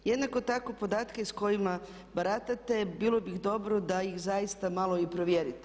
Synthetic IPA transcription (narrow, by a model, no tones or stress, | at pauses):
jed̪nakot̪akopo̞d̪aːt̪kaisko̞jima | baɾat̪at̪e̞bilˠo̞biɣd̪o̞bɾo̞d̪ajixzajist̪amalo̞ipɾo̞ʋjeɾit̪e